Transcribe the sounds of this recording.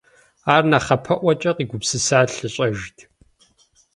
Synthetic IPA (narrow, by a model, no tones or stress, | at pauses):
aːrnaχɐpʰɐʔʷɐt͡ʃʼɐqiːɡʷʊpsɨsaːɬɨɕʼɐʒtʰ